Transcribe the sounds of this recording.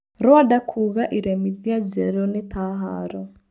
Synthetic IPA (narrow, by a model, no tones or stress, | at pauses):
ɾwadakʰuɣaʔiɾɛmiðiad͡ʒɛɾɔnet̪ʰaɦa̰ɾɔ